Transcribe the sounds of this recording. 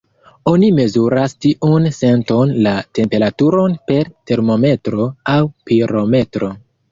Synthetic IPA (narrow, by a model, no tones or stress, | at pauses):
o̞nime̞zuɾastiʔunse̞nto̞nlate̞mpe̞ɾatuɾo̞npe̞ɾte̞ɾmo̞me̞tɾo̞awpiɾo̞me̞tɾo̞